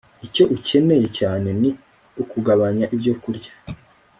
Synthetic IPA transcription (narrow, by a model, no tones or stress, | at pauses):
ico̞ʔuce̞ne̞je̞caːne̞ni | ukuɡaβaɲaʔibjokuɾɟḁ